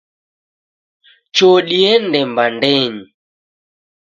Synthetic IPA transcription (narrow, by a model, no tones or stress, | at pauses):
t͡ʃoɗiɛndɛmbandɛɲi